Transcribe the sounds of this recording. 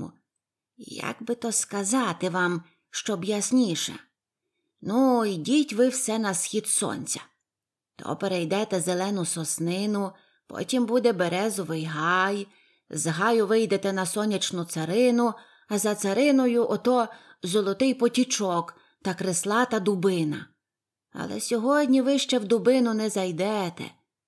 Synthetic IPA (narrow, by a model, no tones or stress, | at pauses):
ja̰ɡbɪt̪ɔskɐzɑt̪ɪʋɑm | ʃt͡ʃɔbjɐsʲnʲiʃɛ̰ | nuidʲitʲʋɪwsɛnɐsxʲid̪sɔ̰nʲt͡sʲɐ̥ | t̪ʰɔ̰peɾɛjd̪ɛt̪ɛzelˠɛnʊsɔsnɪnʊ | pɔ̰tʲimbud̪ɛbeɾɛzɔʋɪjɦɑj | zɦɑjʊʋɪjd̪et̪ɛnɐsɔnʲit͡ʃnʊt̪sɐɾɪnʊ | ɐzɐt̪sɐɾɪnɔjʊʔɔt̪ɔzɔlˠɔt̪ɪjpɔtʲit͡ʃɔk | t̪ɐkɾeslˠɑt̪ɐd̪ʊbɪnɐ̰ | ɐ̰lˠɛ̰sʲɔɦɔdʲnʲiʋɪʃt͡ʃɛwd̪ʊbɪnʊnɛzɐjd̪ɛt̪ɛ̰